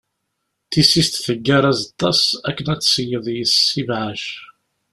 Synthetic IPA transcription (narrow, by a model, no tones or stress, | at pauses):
θisist̪θəɡːæɾˤæzɑt̪ˤːɑsækːənæt͡sːsəjəðˤjəsivʕaʃ